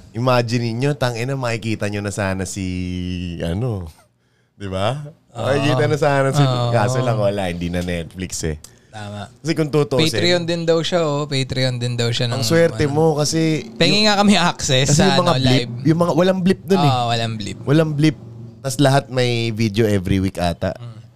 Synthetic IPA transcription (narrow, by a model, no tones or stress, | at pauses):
ʔɪmaːd͡ʒɪnɪɲɲo̞t̪ɐŋʔɪnɐmɐkɪkiːt̪ɐɲonɐsaːnɐsi | ʔɐ̰no̞ | d̪̥ɪba | ɐkɪkiːt̪ɐnɐsaːnɐsikaːsolɐŋwɐlaʔhɪnd̪inɐnɛt̪̚flɪksɛ̰ | t̪aːmɐʔkɐsɛkʊŋt̪ʊt̪oʔejsɾɪond̪ɪnd̪ɐwʃaʔopejt̪ɾɪond̪ɪnd̪ɐwʃɐnɐŋswɛɾɛmo̞kɐsɛpɛŋɪŋakɐmɛʔaksɛskɐsɛjʊmɐŋablɪp̚jʊŋmɐŋawɐlaŋblɪp̚d̪onɛwɐlaŋblɪp̚wɐlaŋblɪp̚t̪ɐslɐɦat̪̚mɐjvid̪eo̞ʔɛvɾiwikʔa̰ːt̪ɐ̰ʔ